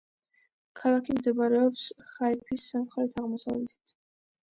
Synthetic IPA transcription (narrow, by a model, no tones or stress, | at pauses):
kʰalˠakʰimd̪ɛbaɾɛɔpsχaipʰisːamχɛlɛt̪ʰaʁmɔsavlɛt̪ʰi̥t̪ʰ